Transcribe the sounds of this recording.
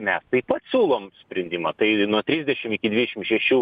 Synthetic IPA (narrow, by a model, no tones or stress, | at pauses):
mʲɛst̪ɐɪpɐt̪sʲuːlˠoːmsʲpʲɾʲɛnʲd̪ʲiːmɐt̪ɐɪnuɔt̪ʲɾʲizʲd̪ʲɛʃʲɪmɪkʲɪd̪ʲʋʲɪːd̪ʲɛʃʲɪmʃʲɛʃʲuː